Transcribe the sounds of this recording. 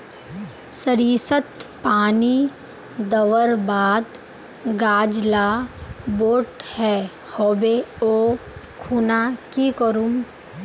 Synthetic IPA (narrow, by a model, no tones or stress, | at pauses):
səɾiːsət̪paːni | d̪əʋəɾbaːd̪ | ɡaːd͡ʒlaboːʈhɛː | hoːbeoː | kʰuːnakikəɾum